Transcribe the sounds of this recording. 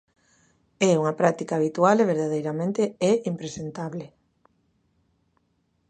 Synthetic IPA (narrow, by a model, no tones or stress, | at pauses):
ɛuŋapɾat̪ikaːβ̞it̪ualeβ̞eɾðaðejɾamẽnt̪eeimpɾesent̪aβle